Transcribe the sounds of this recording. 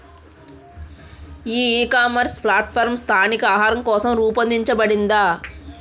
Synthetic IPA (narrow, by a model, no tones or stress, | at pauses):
iːeːkaːmɐɾspʰlaːʈ̚pʰɐɾmst̪ʰaːnikɐaːɦaːɾɐmkɔːsɐmɾuːpɐnd̪iɲt͡ʃɐbɐɽind̪a